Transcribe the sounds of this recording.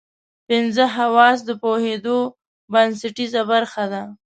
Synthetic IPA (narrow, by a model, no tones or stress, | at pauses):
pɪnzəɦawɑs̬d̪əpohed̪o | bansaʈizabaɾxad̪a